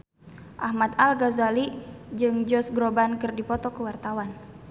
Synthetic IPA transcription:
ʔahmat̪alɡazalid͡ʒɨŋd͡ʒɔsɡɾobankɨrdipɔt̪ɔkəwart̪awan

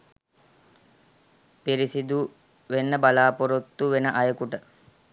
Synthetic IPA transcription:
piɾisid̪u | ʋenːəbalaːpoɾot̪ːuʋenəʔajəkuʈə

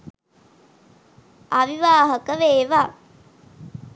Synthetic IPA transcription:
aʋiʋaːɦəkəʋeːʋaː

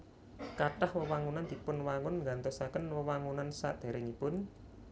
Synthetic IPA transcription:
kaʈahwəwaŋunand̪̥i̤pʊnwaŋʊnŋɡant̪ɛsakənwəwaŋunansa̰ʔd̪̥e̤ɾɪŋipʊn

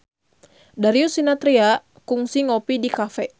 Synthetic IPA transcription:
daɾiusinat̪ɾia | kuŋsiŋɔpidikafɛ

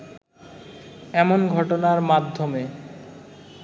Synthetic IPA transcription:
ɛmonɡʱɔʈonaɾmad̪ʱːome

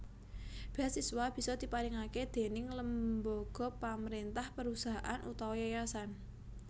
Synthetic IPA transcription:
b̥i̤asːiswab̥i̤sɔd̪̥i̤paɾɪŋaked̪̥e̤nɪŋləmbɔɡ̥ɔ̤paməɾent̪ahpəɾusaɦaʔanʔṵt̪awɔjajasan

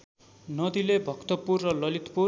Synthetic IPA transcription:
nʌd̪ilebʱʌkt̪ʌpurrʌlʌlit̪pu

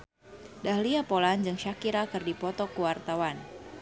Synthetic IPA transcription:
dahliapoland͡ʒɨŋʃakiɾakɨrdipɔt̪ɔkuwart̪awan

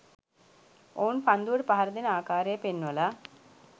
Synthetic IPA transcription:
ounpand̪uʋəʈəpaɦaɾəd̪enəaːkaːɾejəpenːuʋəla

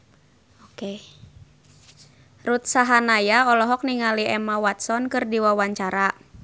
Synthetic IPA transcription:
oke | rut̪̚saɦanajaɔlɔɦɔk̚niŋaliɛmawat̪̚sɔnkɨrdiwawaɲt͡ʃaɾa

